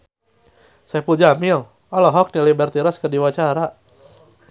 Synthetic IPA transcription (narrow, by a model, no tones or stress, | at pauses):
sajapuld͡ʒamɪl | ɔlɔɦɔk̚nilibɛrt̪iɾɔskərdiwat͡ʃaɾa